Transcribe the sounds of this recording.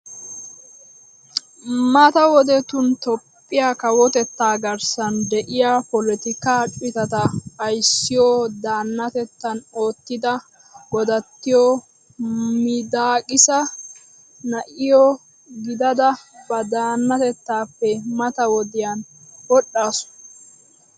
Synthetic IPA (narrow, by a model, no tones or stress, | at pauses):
mɐt̪ɐwɔd̪ɛt̪ʊnt̪ɔpʼːɪjakɐwɔt̪ɛt̪ːaːɡɐɾsɐnd̪ɛʔɪjapɔlɛt̪ɪkaːt͡ʃʼɪt̪ɐt̪ɐpɐjsːɪjoːd̪aːnːɐt̪ɛt̪ːɐnoːt̪ːɪd̪ɐ | ɡɔd̪ɐt̪ːɪjoː | mɪd̪aːkʼɪsɐ | nɐʔɪjoː | ɡɪd̪ɐd̪ɐbɐd̪aːnːɐt̪ɛt̪ːaːpːɛmɐt̪ɐwɔd̪ɪjanwɔɗːaːsʊ̥